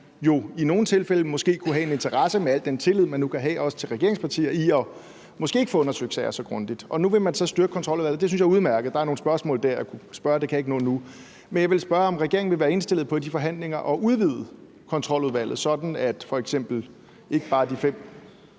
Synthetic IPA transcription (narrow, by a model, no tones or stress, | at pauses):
jo̝ino̝ːn̩t͡sʰe̝lfeləmɔ̽sɡ̥e̝̰ːkʰuɦɛe̝ne̝nt͡sʰɐʁɑ̈səmeæl̰d̥ent͡sʰe̝lið̞̰ˠmænːukʰæɦɛ̰ːʔɒ̽sə̥t͡sʰe̝lʁɛɡ̥e̝ɐeŋspʰɑt͡sʰḭːɐiɒ̽ | mɔ̽sɡ̥e̝̰ːe̝ɡ̥fɔ̽ːɔ̽nɐsøɡ̥sɛɪɐsɒ̽ɡ̥ʁɔ̽nd̥id̥ʔɒ̽nuʋe̝mænsɒ̽sd̥yɐɡ̥kʰɒ̽nt͡sʰʁɒ̽l̰uðˠæ̰ð̩ˠd̥es̬ynɕjɑuð̞ˠmæɐɡ̥ð̩ˠd̥ɑ̈æɐno̝ːn̩sb̥ɶɐsmɔ̰̽ːld̥æɐ̰jɑkʰusb̥ɶɐd̥e̝kʰæe̝ɡ̥ənɔ̽ːð̩ˠnu | menjɑʋe̝lsb̥ɶːɐɒ̽mʁɛɡ̥e̝ɐeŋnʋe̝ʋæːɐe̝nsd̥e̝l̰ð̩ˠpʰɒ̽d̥ifɒ̽ɦæn̰le̝ŋɐʔɒ̽ʔuð̞ˠʋiðˠ | kʰɒ̽nt͡sʰʁɒ̽l̰uðˠʋæl̰ð̩ˠsɒ̽d̥n̩æd̥fɒ̽eɡ̥sem̰b̥l̩ | ʔe̝ɡ̥əb̥ɑ̈ːd̥ifem̰